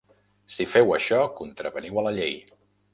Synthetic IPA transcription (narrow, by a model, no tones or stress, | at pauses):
sifɛwəʃɔkunt̪ɾəβəniwələʎej